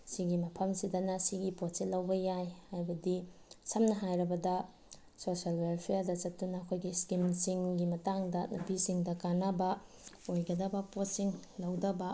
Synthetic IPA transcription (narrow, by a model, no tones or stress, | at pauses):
siɡimɐpʰɐmsidɐnɐsiɡipot̚selːɐwbɐjajhajbɐdisɐmnɐɦajɾɐbɐdɐ | sosialwelpʰijadɐt͡ʃɐtːunɐːkʰojɡiskinsiŋɡimɐtaŋdɐnɐbisiŋdɐkanɐbɐ | ojɡɐdɐbɐpot̚siŋlɐwdɐbɐ